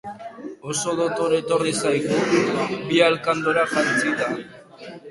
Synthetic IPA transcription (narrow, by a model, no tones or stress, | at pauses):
o̞so̞ðot̪oɾe̞t̪o̞risajɣubialkand̪oɾaxant͡sit̪a